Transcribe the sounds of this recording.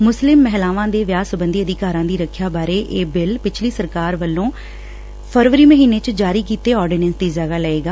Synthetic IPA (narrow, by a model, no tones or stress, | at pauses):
mʊslɪmːɛɦlaːʋãːd̪eːʋjaːsəbənd̪iːəd̪ɪkaːɾãːd̪iːɾəkʰːjaːbaːɾeːʔeːbɪlpɪt͡ʃʰliːsəɾkaːɾʋəlːõː | pʰəɾʋɾiːməɦiːneːt͡ʃd͡ʒaːɾiːkiːt̪eːɔːɾɖiːnɛ̃nsd̪iːd͡ʒəɡaːləeːɡaː